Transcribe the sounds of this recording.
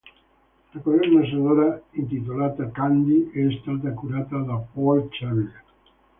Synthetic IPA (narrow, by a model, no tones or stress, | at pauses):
lakoɾɛɾnas̬aðoɾaint̪it̪olaːt̪akand̪iɛst̪at̪akuɾaːt̪ad̪apɔlt͡ʃaβia